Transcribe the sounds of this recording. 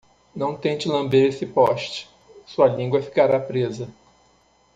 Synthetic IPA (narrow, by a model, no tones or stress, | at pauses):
nɐ̃w̃t̪ẽt͡ʃɪlɐ̃mbeɾesɪpɔʃt͡ʃɪ̥ | suɐlĩŋɡwɐfi̥kaɾapɾezɐ